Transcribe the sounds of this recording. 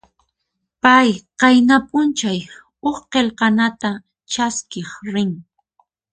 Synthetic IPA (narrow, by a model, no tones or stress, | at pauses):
pajqɑjnapʼʊnt͡ʃaj | oχqelqɑnat̪a | t͡ʃaskɪχɾɪŋ